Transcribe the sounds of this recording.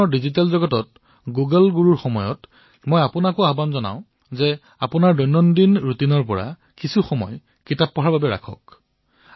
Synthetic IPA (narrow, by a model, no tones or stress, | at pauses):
ɔɹdizit̬alzɔɡɔtɔt̚ | ɡuɡəlɡuɹuɹxɔmɔjɔt | mɔjapʊnakɔabanzɔna̰ʊ̃ | zɛ | apʊnaɹdɔjnɔndinɹutinɔɹpɔɹa̰ | kisuxɔmɔ̰j | kitapːɔɦaɹbabɛɹa̰kʰɔ̰k